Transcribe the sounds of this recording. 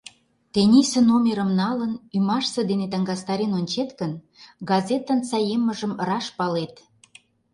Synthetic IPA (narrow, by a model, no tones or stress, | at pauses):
t̪enʲisə̆nomʲeɾə̆mnɑlənymɑʃsə̆d̪enet̪əŋɡɑst̪ɑɾenonʲt͡ɕet̪kən | ɡɑzʲet̪ːənt͡sɑjemːəʒə̆mrɑʃpɑlet̪